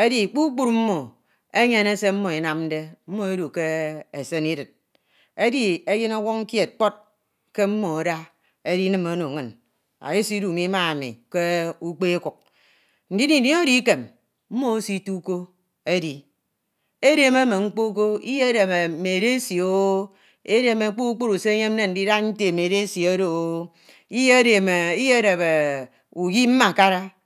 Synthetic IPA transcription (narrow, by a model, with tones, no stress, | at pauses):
e˦di˨k͡pu˦k͡pu˦ɾm̩˦mo˨ | e˦ɲe˦ne˦se˦m̩˦mo˨i˨na˦mn̩˦de˦m̩˦mo˨e˦du˨ke˦e˨se˦ni˦dɨ˨t̚ | e˦di˦e˦ji˦no˦wɔ˦ŋŋ̩˦ke˨t̚k͡po˦t̚ | ke˦m̩˦mo˨o˨da˦ | e˦di˦nɨ˨mo˦no˨ŋɨ˨n | a̰˨ji˦si˦du˨mi˦ma˦a˨mḭ˨ke˦u˦k͡pe˦e˦ku˨k̚ | n̩˨di˦ni˨ni˦o˦di˦ke˨m | m̩˦mo˦o˦si˦tu˦ko˦ | e˦di˨ | e˦ɾe˨me˦me˨ŋ͡m̩˦k͡po˦k̬o˦i˦je˦de˨me˨me˨ɾe˦si˨o˦ | e˦ɾe˨me˨˦k͡pu˦ku˦k͡pu˦ɾu˨se˦e˦ɲe˦m˦ne˦n̩˨di˦da˦n̩˦te˨me˨ɾe˦si˨o˦ɾo˨o˨˦ | i˦je˦e˦de˨me˨i˦je˦de˨be˨ | u˨ɡi˦m̩˦ma˨ka˦ɾa˦